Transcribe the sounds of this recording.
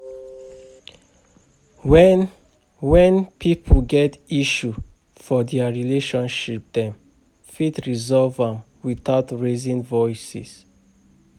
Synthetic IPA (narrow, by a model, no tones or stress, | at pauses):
wɛ | wɛ̃npʰipʰəɡɛtiʃu | fɔdɛaɹileʃɔ̃nʃip̚dɛ̃m | fitɹizɔlvãm | wiθaʊtɹezĩŋvɔjsḭs